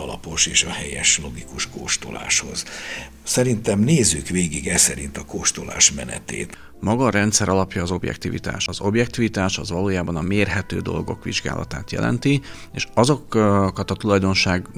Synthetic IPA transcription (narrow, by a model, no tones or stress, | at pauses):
ɒlɒpo̞ʃeːʃɒhɛjɛʃlo̞ɡikuʃkoːʃt̪ola̰ːʃho̞z | sɛɾint̪ɛmneːzːykʋeːɡiɡɛsɛɾint̪ɒkoʃt̪ola̰ːʃmɛnɛ̰t̪ḛːt̪ | mɒɡɒɾɛnt̪sɛɾɒlɒpjɒːzo̞bjɛ̰k̚t̪ivḭt̪a̰ːʃɒzo̞bjɛkt̪iːvit̪aːʃɒzʋɒloːjaːbɒnɒmeːrɦɛt̪ø̰ːd̪o̞lɡo̞̰kʋiʒɡa̰ːlʔɒ̰t̪aːt̪jɛ̰lʔɛ̰nt̪i | eːʃɒzo̞kkɒt̪ɒt̪ulɒjd̪o̞nʃaːɡ